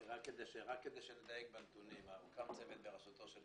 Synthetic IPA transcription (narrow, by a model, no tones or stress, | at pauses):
ʁakːed̪ejʃeʁakːed̪ejʃeled̪ajek̚bent̪unimaukamt͡sevet̪̚beʁaʃut̪o̞ʃel